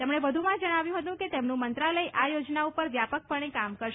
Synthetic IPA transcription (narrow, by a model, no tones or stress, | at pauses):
t̪emɳ̃eʋəd̪ʱumãd͡ʒəɽ̃aʋjũɦət̪ũket̪emnũmənt̪ɾaləjʔajod͡ʒnaupəɾʋjapək̚pəɳ̃ekamkəɾʃ